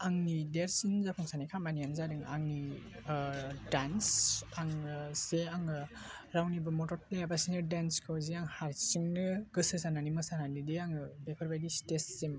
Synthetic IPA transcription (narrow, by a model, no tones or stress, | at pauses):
aŋnideɾsinzapʰɔŋsanikʰamanijanzadɯŋa̰ŋni | dansaŋseaŋɯɾawnibɯmɔtɔɾplejabasinɯdanskʰɯwziaŋhaɾsiŋnɯɡɯsɯsananimɯsananideaŋɯbepʰɯɾbajdistesːim